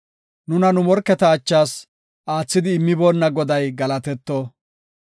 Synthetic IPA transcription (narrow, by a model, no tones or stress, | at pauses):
nʊnɐnʊmɔɾkːɛt̪ɐːt͡ʃːaːs | ʔaːt͡sːɪd̪ɪːmːɪboːnːɐɡɔd̪ɐjɡɐlɐt̪ɛt̪ːɔ